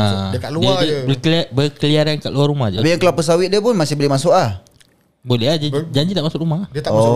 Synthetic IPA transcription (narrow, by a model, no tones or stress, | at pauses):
akaludabəkabəkəliaɾanka̰ʔluarɾumahd͡ʒabijaŋkəlapɔs̬awɪʔ̚diəpʊnmasɪhbəlɛmasʊʔlah | bolɛɦd͡ʒd͡ʒaɲd͡ʒit̪aʔmasʊʔɾumat̪ɔ